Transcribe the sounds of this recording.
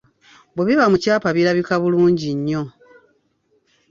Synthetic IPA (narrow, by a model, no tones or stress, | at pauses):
bweβiβamucaːpaβiɾaβikaβuluːɲɟiɲːo̞